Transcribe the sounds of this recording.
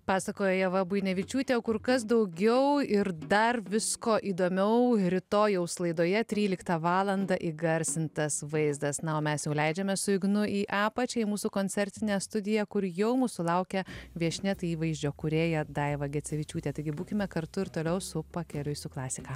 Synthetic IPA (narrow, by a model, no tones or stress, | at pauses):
pɑːsɐkoːjoːjɛʋɐbʊjnʲɛʋʲɪt͡ʃʲuːt̪ʲeːokʊɾkɐs̬d̪ɐʊɡʲɛʊɪɾd̪ɐrʋʲɪskoːʔiːd̪oːmʲɛʊɾʲɪt̪oːjɛʊslˠɐɪd̪oːjɛt̪ʲɾʲiːlʲɪkt̪ɑʋɑːlˠɐnd̪ɐʔiɡɐɾʲsʲɪnt̪ɐsʋɐɪzd̪ɐsnɐoːmʲɛsjɛʊlʲɛɪd͡ʒʲɛmʲɛsʊɪɡnʊiːʔɑːpɐt͡ʃʲɛimuːsuːkoːnʲt͡s̪ʲɛɾʲt̪ʲɪnʲɛːst̪ʊd̪ʲɪjɛkʊɾjɛʊmuːsʊlˠɐʊkʲɛʋʲiɛʃʲnʲɛt̪ɐɪiːʋɐɪzʲd͡ʒʲoːkʊɾʲeːjoːd̪ɐɪʋɐɡʲɛt͡s̪ʲɛʋʲɪt͡ʃʲuːt̪ʲeːt̪ɐɪɡʲɪbuːkʲɪmʲɛkɐɾt̪ʊɪɾt̪oːlʲɛʊsʊpɐkʲɛlʲʊɪsʊklˠɑːsʲɪkɑː